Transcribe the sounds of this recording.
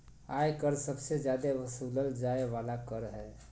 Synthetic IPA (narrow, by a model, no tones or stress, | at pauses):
ajkəɾsəbsed͡ʒjad̪eʋəsuləld͡ʒaeʋalakəɾɦɛ